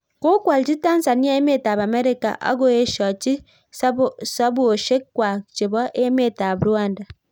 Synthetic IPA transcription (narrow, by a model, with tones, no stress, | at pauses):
ku˦kwa˨lt͡ʃi˦ta˦n˦sa˨ni˦a˦e˦me˦ta˨βa˨me˦ɾi˦ka̰˨ʔa̰˦ɡo˦e˦ʃɔ˨t͡ʃi˦ | sa˦βu˦o˨ʃe˦kːwa˨t͡ʃi˨βɔ˦ʔe˦me˦˨ta˨βu˨ɾwaː˦nda˨